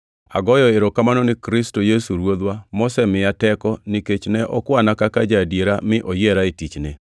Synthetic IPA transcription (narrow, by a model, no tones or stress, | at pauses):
a̰ɡɔjɔeɾɔkamanɔnɪkɾɪstojesuɾwod̪wamɔsɛmɪatɛkɔniket͡ʃnɛʔɔkwanakakad͡ʒadjeɾamɪʔɔjɛɾaetit͡ʃne